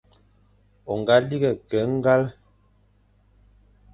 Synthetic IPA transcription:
o˨ŋ˨ɡa˦li˦ɡɛ˨kɛ˨˦ŋ˦ɡa˦l

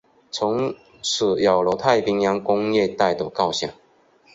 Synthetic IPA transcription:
t͡sʰʊ˧˥ŋ | ʂ̩˨˩jɑ˨˩ʊlɔ˧˥t̪ʰa˥˨ɪpi˧˥ŋjɑ˥˦ŋkʊ˥ŋjɛ˥˨t̪a˥˩ɪd̪ə˨˩kɑ˥˨ʊɕjɑ̰˨˩ŋ

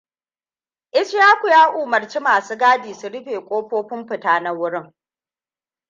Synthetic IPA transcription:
ʔɪ˦sjaː˦kʷu˨jaː˦ʔuː˨mɐ˨rt͡ʃi˦maː˨suː˦ɡaː˦diː˨su˨ɽɪ˦ɸeː˨kʷʼoː˦ɸoː˦ɸʊ˦mɸɪ˨taː˦na˦wʊ˦ɽɪ˦ŋ

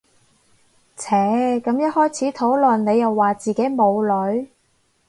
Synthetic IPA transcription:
t͡sʰɛː˨˥kɐ˨˥mjɐ˥t̚hɔː˥jt͡sʰiː˨˥t̪ʰo˨˥wlɵ˨˩nne˨˧jɐ˨wːaː˨˩t͡siː˨ke˨˥jmo˨˧wlɵ˨˧˥ɥ

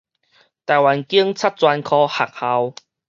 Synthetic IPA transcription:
t̪a˨˩jwa˨˦nki˦əŋt͡sʰa˦˥t̚t͡swa˧nkʰɔ˧ha˨˩k̚ha˧w

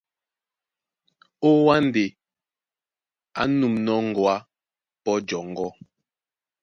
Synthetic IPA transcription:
o˦wa˦n˨de˨ | a̰˦nu˨mnɔ˦ŋ̩˨ɡwa˦ | pɔ˦d͡ʒɔ˨ŋ˨ɡɔ˦

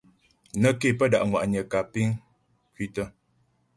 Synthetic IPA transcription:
nə˦ke˦˨pə˦˨da̰˨ʔŋwa̰˨ʔɲə˨ka˨pi˦ŋ | kwi˦tə˦

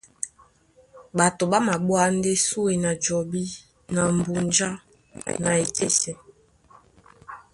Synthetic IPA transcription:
ɓa˨to˨ɓa˦ma˨ɓwa˦nde˦su˦e˨na˨d͡ʒɔ˨bi˦ | na˨m˨bu˨nd͡ʒa˦ | na˨e˨te˦sɛ˨

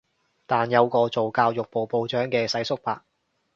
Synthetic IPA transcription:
t̪aː˨njɐ˨˧wkɔː˧t͡so˨wkaː˧wjʊ˨k̚po˨wpo˧wt͡ʃœː˨˥ŋkɛː˧sɐ˨˥jsʊ˥k̚paː˧k̚

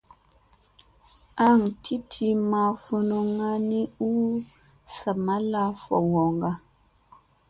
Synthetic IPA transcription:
a˦˨ŋ˨tʰi˦tʰi˨ma˨fu˨no˨ŋa˦ni˦u˦ | sa˨ma˦la˦fɔ̰˨wɔ˨ŋɡa˦

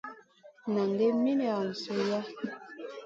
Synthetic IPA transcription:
na˨ŋɡe˦mi˦n˦a˨n̩˨su˦ja˦

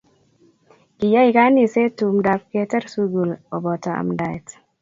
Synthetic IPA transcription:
ki˨ja˦i˨ka˦ni˨se˦tu˨mda˨p̚kɛ˦tɛ˦ɾsu˦ɡu˨lɔ˨bɔ˨tɔ˨a̰˨mda˨jt

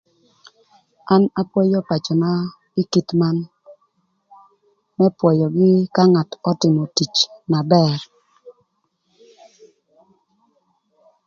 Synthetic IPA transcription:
a˦na˦pwɔ˦jɔ˦pa˨t͡ʃɔ˨na˦ | ɪ˦ki˦tma˦n | mɛ˦pwɔ˨jɔ˨ɡɪ˦ka˦ŋa˨tɔ˦tɪ˨mɔ˨ti˨t͡ʃna˨bɛ˦˨ɾ

